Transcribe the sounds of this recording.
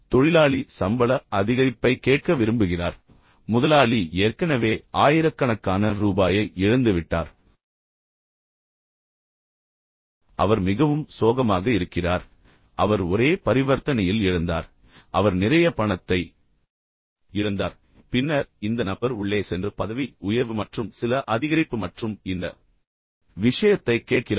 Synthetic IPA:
t̪ɔɻɪlaːɭisɐmbɐɭɐɐðɪɣɐɾɪpːɐɪkeːʈ̚kɐʋɪɾɯmbɯɣɪraːɾ | mʊðɐlaːɭieːɾkɐnɐʋeːaːjɪɾɐkːɐɳɐkːaːnɐɾuːbaːjɐɪɪɻɯnd̪ɯʋɪʈːa̰ːɾ | ʔɐʋɐɾmɪɣɐʋɯmsoːɣɐmaːɣɐɪɾɯkːɪraːɾ | ʔɐʋɐɾɔɾeːpɐɾɪʋɐɾt̪ɐnɐjɪlɪɻɯnd̪a̰ːɾ | ʔɐʋɐɾnɪɾɐjɐpɐɳɐt̪ːɐɪ | ɪɻɯnd̪aːɾ | pɪnːɐɾɪnd̪ɐnɐbɐɾʊɭːeːsɛndrɯpɐðɐʋiʊjɐɾʋɯmɐʈrɯmsɪlɐʔɐðɪɣɐɾɪpːɯmɐʈrɯmɪnd̪ɐ̰ | ʋɪʂɐjɐt̪ːɐɪkːeːʈ̚kɪr

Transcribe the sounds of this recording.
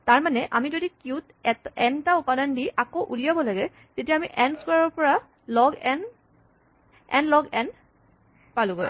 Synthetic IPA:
taɹmanɛʔamizodikiut | ɛntaʊpadɔndiʔakoʔulijabɔlaɡɛ | zetiaːmiʔɛnskɹɔɹpɔɹa | lɔɡɛn | ɛ̰nlɔɡɛn | palʊɡɔj

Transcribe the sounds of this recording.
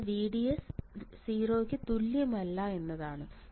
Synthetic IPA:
ʋiːɖiessiːɾo̞ːkʲːɨt̪ulːjɐmɐlːɐe̞nːɐðaːɳɨ

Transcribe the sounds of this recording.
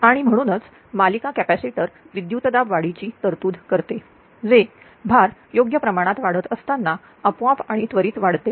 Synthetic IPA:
aɽ̃im̤əɽ̃uːnət͡s | malikakæpæsiʈəɾ | ʋid̪jut̪d̪abʋaɽ̤it͡ɕiːt̪əɾt̪uːd̪kəɾt̪e | d͡ze | bʱaɾjoɡjəpɾəmaɽ̃at̪ʋaɽ̤ət̪əst̪anːa | əpʋãpaɽ̃it̪ʋəɾiːt̪ʋaɽt̪e

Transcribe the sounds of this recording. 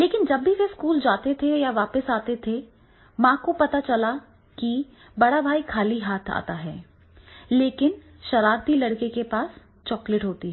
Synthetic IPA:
leːkɪnd͡ʒɐbːʱiseskuːld͡ʒaːt̪et̪ʰejaʋaːpəsaːt̪et̪ʰe | mãːkopɐt̪at͡ʃɐla | ki | bɐɽabʱaːikʰaːliɦaːt̪ʰa̰ːt̪aɦɛː | leːkɪn | ʃɐɾaːɾt̪ilɐɽkekepaːs | t͡ʃɔːkleʈɦoːt̪iɦɛ

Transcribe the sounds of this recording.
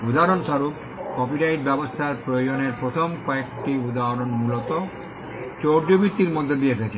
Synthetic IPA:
ud̪ʱaɾonʃɔɾup | kɔpiʈajʈ̚bɛbost̪ʰaɾpɾojod͡ʑoneɾpɾot̪ʰomkɔekʈiud̪aɦɾonmulɔt̪o | t͡ɕowɖobɾit̪ːiɾmod̪ʱːed̪iet̪ʰet͡ɕʰe

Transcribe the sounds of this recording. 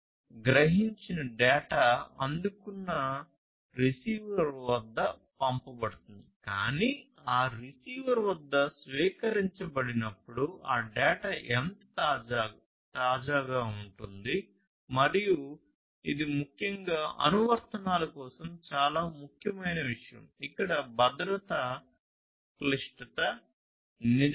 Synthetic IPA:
ɡɾɐɦiɲt͡ʃinɐɖɛːʈaːɐnd̪ukunːɐ | ɾisiːʋɐɾʋɐd̪ːɐpɐmpɐbɐɽut̪und̪ikaːni | aːɾisiːʋɐɾʋɐd̪ːɐsʋiːkɐɾiɲt͡ʃɐbɐɽinɐpːuɽuaːɖɛːʈaʔent̪ɐt̪aa | t̪aːd͡ʒaːɡaːuɳʈund̪i | mɐɾiju | id̪imukʰjɐŋɡaːʔɐ̰nuʋɐɾt̪ɐnaːlɐkɔːsɐmt͡ʃaːlaːmukʰjɐmɐjnɐʋiʂɐjɐ̰mikːɐɽɐbɐd̪ɾɐt̪ɐ | kliʂʈɐt̪ɐ | ni

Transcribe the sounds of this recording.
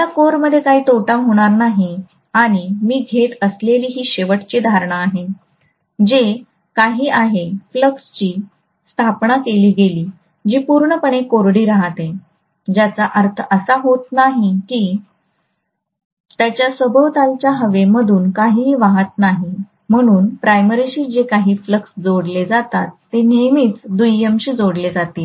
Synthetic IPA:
akoɾməd̪ʱːjekaɦiːt̪oʈaɦoɽ̃aɾnaɦi | aɽ̃imiːɡʱet̪əsleliːɦiːɕeʋəʈt͡ɕid̪ʱaɾɳaːɦe | d͡ʑe | kaɦiːʔaɦefləkst͡ɕiː | st̪ʰapɳakeliːɡeliː | d͡ʑiːpuɾɳəpəɽ̃ekoɾɽiːɾaɦat̪e | d͡ʑjat͡saʔəɾt̪ʰəsaɦot̪naɦikiː | t̪jat͡ɕjasʋəbʱəʋt̪alt͡ɕjaɦəʋem̤əd̪ʱuːnkaɦiʋaɦət̪̚naɦi | m̤əɽ̃uːnpɾajməɾiɕiːd͡ʑekaɦiːfləksd͡zoɽled͡zat̪at̪ːenemiːt͡sd̪ujəmɕiːd͡zoɽled͡zat̪iː

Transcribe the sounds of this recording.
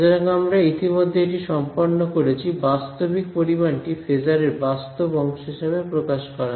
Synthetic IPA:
d͡ʑeɾakamɾait̪imod̪ʱːeeʈiʃɔmpoɾnokoɾet͡ɕʰibast̪obik̚poɾimanʈifed͡ʑaɾeɾbast̪obɔŋʃɦiʃebepɾokaʃkɔɾa

